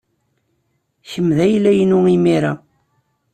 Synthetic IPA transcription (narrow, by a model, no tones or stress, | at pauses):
çəmːðæjlːæjənʊimiɾæ